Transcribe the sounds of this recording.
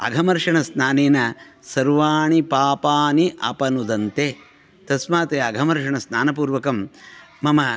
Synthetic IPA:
ɐ̰ɡʱɐmɐɾʂɐɳɐsnaːneːnɐsɐɾʋaːɳipaːpaːniʔɐ̰pɐnud̪ɐnt̪eː | t̪ɐsmaːt̪eɐɡʱɐmɐɾʂɐɳɐsnaːnɐp̬uːɾʋɐkɐmːɐmɐ

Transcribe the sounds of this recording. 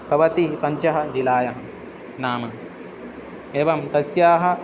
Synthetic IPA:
pɐʋɐt̪iɦpɐɲt͡ʃɐɦɐ̆d͡ʒilaːjɐɦɐ̆ | naːmɐ | eːʋɐmt̪ɐsjaːɦɐ̆

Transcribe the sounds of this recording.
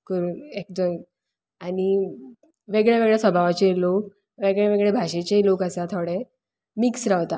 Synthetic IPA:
kəɾuːnek̚d̪ən | añi | ʋeɡɭjaʋeɡɭjasʋəbʱaʋat͡ɕelok | ʋeɡɭeʋeɡɭebʱaɕet͡ɕelokəsat̪ʰoɽe | miksɾaʋt̪a

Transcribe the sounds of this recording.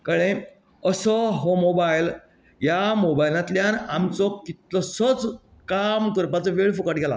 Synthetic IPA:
kəɭẽ | əsɔɦɔmobajil | jamobajlãt̪ljanamt͡sɔkit̪lɔsət͡s | kamkəɾpat͡sɔʋeɭfukaʈɡʱɛla̰

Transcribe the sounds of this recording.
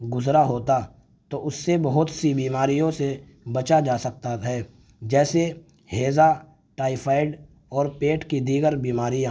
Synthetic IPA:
ɡʊzɾaɦoːt̪a | t̪oːʔʊsːebɐɦʊt̪sibiːmaːɾijõse | bɐt͡ʃad͡ʒaːsɐk̚t̪aɦɛː | d͡ʒɛːse | heːza | ʈaːipʰaːɪɖ | ɔːɾpeːʈkid̪iːɡəɾbiːmaːɾijãː

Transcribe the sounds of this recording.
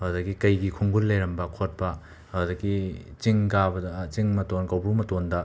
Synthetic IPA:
ɐwdɐɡikɐjɡikʰuŋɡulːejɾɐmbɐkʰot̚pɐ | hɐwdɐɡit͡ʃiŋkabɐdɐt͡ʃiŋmɐtonkɐwbɾumɐtondɐ

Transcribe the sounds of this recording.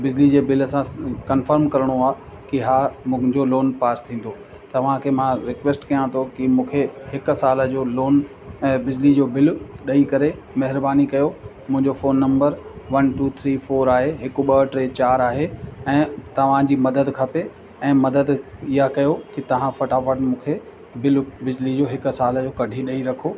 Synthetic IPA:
bɪd͡ʑlid͡ʑeːbɪlsãkɐnfəɾmkɐɾəɽ̃oaː | kiɦaːmʊ̃d͡ʑoloːnpaːst̪ʰĩːn̆d̪o | t̪ɐʋ̤ãkʰeːmãɾɪkʋeːsʈkɐjãt̪ʰokimũːkʰehɪksaːlə̆d͡ʑoːloːn | bɪd͡ʑlid͡ʑoːbɪlɗɐikɐɾe | mɐɦɪɾbaːnikɐjomʊ̃ɦɪ̃ɲd͡ʑofoːnːɐ̃mbəɾʋɐnʈuːt̪ʰɾiːfoːɾaːɦeɦɪkʊ̆ɓɐʈɾeːt͡ɕaːɾaːɦeɛ̃ːt̪ɐʋ̤ãd͡ʑiːmɐd̪əd̪kʰɐpe | ɛ̃ːmɐd̪əd̪iɦakɐjokɪt̪ɐʋ̤ãfɐʈaːfəʈmũːkʰe | bɪlbɪd͡ʑlid͡ʑoːɦɪkʊsaːld͡ʑoːkɐɖʱiɗɐiɾɐkʰoː

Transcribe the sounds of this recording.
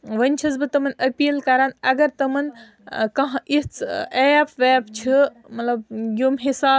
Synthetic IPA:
ʋɐnʲt͡ʃʰizbɨt̪ɐmɐnɐpiːlkɐɾanɐɡɐɾt̪ɐmɐn | kɐɦãʔit͡sʰepʋeːbt͡ʃʰi | mɐt̪lɐbjomɦisaː

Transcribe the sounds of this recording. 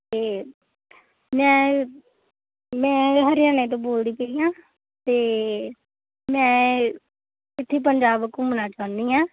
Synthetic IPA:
t̪eː | mɛ̃ː | mɛ̃ːɦəɾjaːnẽːt̪̬õːboːld̪iːpeiːjãː | t̪eː | mɛ̃ː | ɪt̪ʰːeiːp̬əɲd͡ʒaːbəkːumənaːt͡ʃaːnd̪iːãː

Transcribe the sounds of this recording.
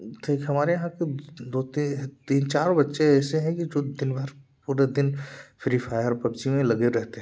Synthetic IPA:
t̪ʰiːkɦɐmaːɾejɐɦãked̪oːt̪it̪iːnt͡ʃaːɾõbɐtːʃeɛːseɦɛ̃kid͡ʒoːd̪ɪnbʱəɾpuːɾed̪ɪnfʰɪɾifaːjəɾpɐbd͡ʒimẽlɐɡeɾɛɦt̪eɦɛ̃

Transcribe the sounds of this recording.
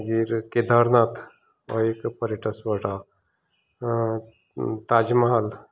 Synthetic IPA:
ɡiɾked̪ʱaɾnaːt̪ʰ | ɔ̰ekpəɾeʈəswəʈa | t̪aːd͡ʒmɐɦal

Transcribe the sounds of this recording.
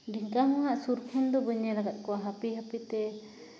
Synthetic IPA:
ɖiŋkaɦɔ̃ɦaʔsuɾkʰɔnd̪ɔbəɲɛlaɡat̪̚kɔwaɦapiɦapit̪ɛ

